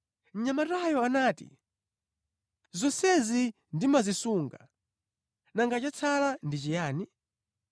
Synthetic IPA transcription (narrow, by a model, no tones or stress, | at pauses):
ɲamatajɔanaːtḭ | zɔsɛzi | ndimazisuŋɡa | naŋɡat͡ʃat͡sʰalandit͡ʃijaːni